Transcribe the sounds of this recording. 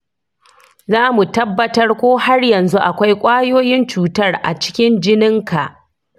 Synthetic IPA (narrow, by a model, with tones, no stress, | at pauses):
zaː˦mu˨tɐ˦bːɐ˦tɐ˦rkʷoː˦ha˦rjɐ˨nzu˦ʔa˨kʷa˦jkʷʼaː˦joː˦jɪ˦nt͡ʃuː˨tɐ˦˨rʔa̰˨t͡ʃɪ̥˦kʲɪ˦nd͡ʒɪ˦nɪ˦ŋka˨ʔ